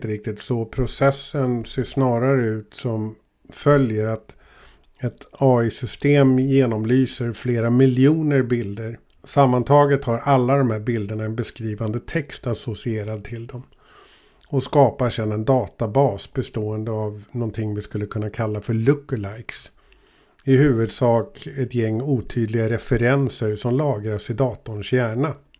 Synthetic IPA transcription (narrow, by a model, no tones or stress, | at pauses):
t̪əɾɪk̚t̪ɪt̪sɔpʰɾʊsɛsːənseːʂnɑːɾaɾəʉ̟ːt̪sɔm | fœljəɾat̪ | ɛt̪ɑːɪsʏst̪eːmjeːnɔmlyːsəɾfleːɾamɪljuːnəɾbɪld̪əɾ | samːant̪ʰɑːɡət̪haɾʔalːad̪ɔmhæːɾbɪld̪əɳaɛnbɛskɾiːvand̪ət̪ʰɛkst̪asɔsɪeːɾad̪̚t̪ʰɪld̪ɔm | ɔskɑːpaʂɛnːɛnd̪ɑːt̪abɑːsbɛst̪oːənd̪əavnɔnt̪ʰɪŋːvɪskɵlːəkʰɵnːakʰalːafœɭɵkːəlajks | ɪhʉ̟ːvɵd̪sɑːkɛt̪jɛŋːuːt̪ʰyːd̪lɪɡaɾɛfɛɾɛnsəɾsɔmlɑːɡɾaʂɪd̪ɑːt̪ʊɳʂjæːɳa